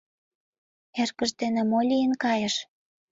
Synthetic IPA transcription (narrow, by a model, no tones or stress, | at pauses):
erkə̆ʃd̪enĕmolʲijənkɑjə̆ʃ